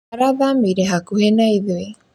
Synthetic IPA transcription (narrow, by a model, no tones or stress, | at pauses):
aɾaðamiɾeɦakuhenajðue